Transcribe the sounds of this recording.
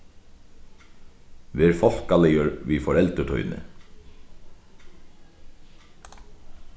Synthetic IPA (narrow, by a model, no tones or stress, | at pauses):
ʋeːɾfɔl̥kalɛjəɾʋiːfɔɾɛlt̪ət̪ʰɔ̰ʏnɪ̰